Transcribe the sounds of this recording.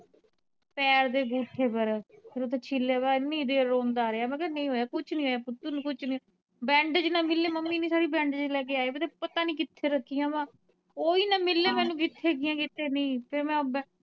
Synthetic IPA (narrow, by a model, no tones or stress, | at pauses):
pɛːɾd̪eːɡuːʈʰːeːpəɾpʰɪɾot̪ʰeːt͡ʃʰilːeːbaːnĩːd̪eːɾːõːnd̪aːɾeːaːmɛ̃ːkɛnəĩːɦoːjaːkʊt͡ʃʰnĩːɦoːjaːpʊt̪ːunːkʊt͡ʃʰnĩː | bɛ̃ːɳɖd͡ʒnãːmɪlːeːməmːiːniːsaːɾiːbɛ̃ːɳɖd͡ʒlɛːɡeːaːeːbet̪epət̪aːnĩːkɪt̪ʰːeːɾəkʰːijãːʋãː | oːiːnãːmɪlːeːmɛ̃ːnũːk̬ɪt̪ʰːeːɡɪjãːkɪt̪ʰːeːnĩːpʰɪɾmɛ̃ːbɛ̃ː